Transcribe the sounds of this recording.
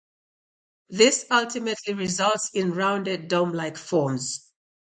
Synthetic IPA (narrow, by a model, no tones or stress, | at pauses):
ðɪsʌlˠtɪmətʰliɹɪzʌlˠtsɪ̃nɹãʊ̃ndɛdõmlaɪkfɔːmz̥